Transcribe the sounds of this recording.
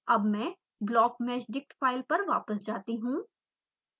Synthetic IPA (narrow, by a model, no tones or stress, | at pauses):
ɐbmɛ̃ː | blɔːkmɛːt͡ʃɖɪk̚ʈfaːɪlpɐɾʋa̰ːpəsd͡ʒaːt̪iɦũː